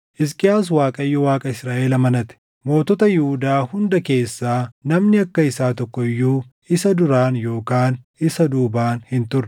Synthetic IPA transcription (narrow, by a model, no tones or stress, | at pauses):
ʔɪskʼɪjaːs̬waːkʼɐɪjːɔwaːkʼɐɪsɾaːʔɛlɐmɐnɐt̪ɛ̥ | mo̞ːt̪ɔt̪ɐjɪhʊd̪aːhʊnd̪ɐke̞ːsːaːnɐmnɪɐkːɐɪsaːt̪ɔkːɔɪjːuː | ɪsɐd̪ʊɾaːnjo̞ːkaːn | ɪsɐd̪uːbaːnhɪnt̪ʊrːɛ